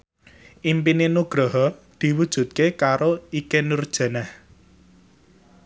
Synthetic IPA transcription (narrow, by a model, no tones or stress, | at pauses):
ʔimpinenuɡ̥ɾɔɦɔd̪̥i̤wud̥ʒ̥ṳt̪̚kekaɾoikenurd̥ʒ̥a̤nah